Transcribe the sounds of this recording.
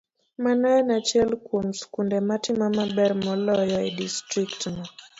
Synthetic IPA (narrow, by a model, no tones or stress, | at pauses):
manaɛnat͡ʃɛlkwomskundɛmatɪmamabɛrmɔlɔjɔidistɾiktnɔ